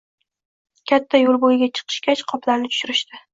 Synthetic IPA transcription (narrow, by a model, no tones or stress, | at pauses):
kʲʰat̪ʰːajolˠbojɪɡʲat͡ʃʰɨ̥qʰɨ̥ʃkʲat͡ʃqʰɒplaɾnɪt̪ʰʊ̥ʃʊɾɪʃt̪ɪ